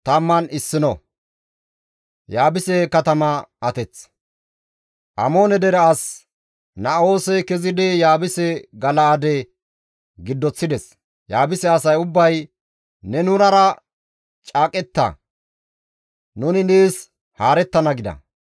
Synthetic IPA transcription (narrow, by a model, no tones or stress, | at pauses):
t̪ɐmːɐnɪsːɪnɔ | jaːbɪsɛkɐt̪ɐmɐʔːt̪ɛt͡s | ʔɐmo̞ːnɛd̪ɛɾɛɐs | nɐo̞ːsɛkɛzɪd̪ɪjaːbɪsɛɡɐlaːd̪ɛ | ɡɪd̪ːɔt͡sːɪd̪ɛs | jaːbɪsɛɐsɐjʊbːɐj | nɛnʊnɐɾɐ | t͡ʃʼaːkʼɛt̪ːɐ̰ | nʊnɪneːs | haːɾɛt̪ːɐnɐɡɪd̪ɐ̰